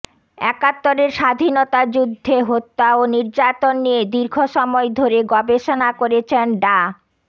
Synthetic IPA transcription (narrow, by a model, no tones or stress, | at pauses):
ɛ̰kat̪ːoɾeɾʃad̪ʱinot̪ad͡ʑud̪ʱːeɦot̪ːaoniɾd͡ʑat̪onːijed̪iɾɡʰʱoʃɔmɔed̪ʱoɾeɡɔbeʃonakoɾet͡ɕʰenɖa